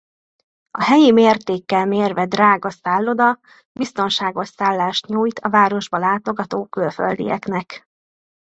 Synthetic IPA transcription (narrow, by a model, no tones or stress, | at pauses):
ɒɦɛjimeːrt̪eːkːɛlmeːrvɛd̪raːɡɒsaːlːo̞d̪ɒ | bist̪o̞nʃaːɡo̞ʃsaːlːaːʃt̪ɲuːjt̪ʰɒvaːɾo̞ʒbɒlaːt̪o̞ɡɒt̪oːkylfø̰ld̪ḭjɛ̰knɛk